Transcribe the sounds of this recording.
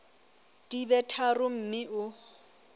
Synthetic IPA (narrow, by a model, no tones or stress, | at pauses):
d̥ibɛtʰarʊm̩mɪʔʊ